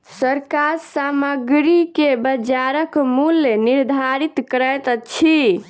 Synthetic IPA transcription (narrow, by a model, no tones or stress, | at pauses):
səɾkaɾsaməɡɾikebəd͡ʒaɾəkmulːeniɾd̪ʱaɾit̪kəɾəjt̪t͡ʃʰi